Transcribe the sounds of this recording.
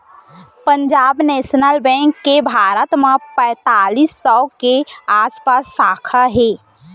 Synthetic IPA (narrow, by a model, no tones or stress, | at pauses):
pə̃ɲd͡ʒaːbneːʃnəlbɛ̃ːŋkːebʱaːɾət̪mə̃pɛ̃ːt̪aːlisːɔkeaːspasːaːkʰaɦeː